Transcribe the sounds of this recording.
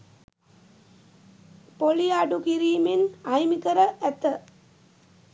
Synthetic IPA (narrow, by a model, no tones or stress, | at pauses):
poliaɖukiɾiːmenajmikəɾəʔæt̪ə